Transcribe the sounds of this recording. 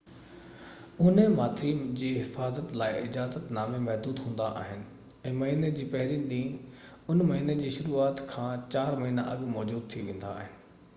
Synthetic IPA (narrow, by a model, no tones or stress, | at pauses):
ʊnemaːt̪ʰɾid͡ʑiːɦɪfaːzət̪laːɪʔɪd͡ʑaːzət̪naːmemɛɦd̪uːd̪ɦũːn̆d̪a̰ʔa̰ːɦɪnɪ̆ | ɛ̃ːmɐɦiːned͡ʑiːpɐɦɪɾiɗĩː | ʊnmɐɦiːned͡ʑiːʃʊɾuːaːt̪kʰãːt͡ɕaːɾmɐɦiːna̰ʔɐɠmɔːd͡ʑuːd̪̚t̪ʰiʋẽːn̆d̪a̰aːɦɪnɪ̆